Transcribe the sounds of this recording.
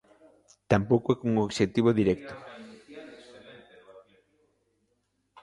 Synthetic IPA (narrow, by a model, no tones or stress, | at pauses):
t̪ampowkoɛkuŋoβʃet̪iβoðiɾɛk̚t̪ʊ̥